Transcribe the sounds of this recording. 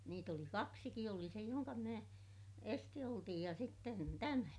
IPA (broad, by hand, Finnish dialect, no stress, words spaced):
niːt oli kɑksiki oli se joŋkɑ minæ esti otij jɑ sitːen tæmæ